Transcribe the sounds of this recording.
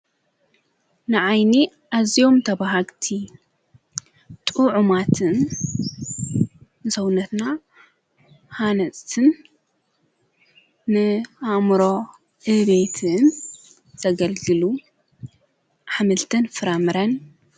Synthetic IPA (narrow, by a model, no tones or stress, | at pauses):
nɨʕajni | ʔazijo̞mt̪ʰɐβaɦaɡt̪ʰi | t̪ʼuʕumat̪ʰɨn | ɨsɐwnɐt̪na | hanɐt͡sʼt̪ʰɨn | ɨamɾo̞ | ʔɨβet̪ʰɨn | z̥ɐɡɐlɡɨlu | ħamɨlt̪ʰɨnfɨɾɐmɨɾɐn